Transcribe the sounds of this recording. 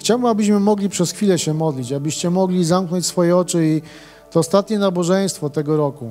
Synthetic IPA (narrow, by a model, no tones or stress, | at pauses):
xt͡ɕawbmabɘɕmɘmɔɡlʲipʂɛsxfʲilɛɕɛmɔd̪lʲit͡ɕabɘɕt͡ɕɛmɔɡlʲizamknɔɲt͡ɕsfɔjɛɔt͡ʂɘi | t̪ɔːst̪at̪ɲɛnabɔʐɛj̃st̪fɔt̪ɛɡɔɾɔku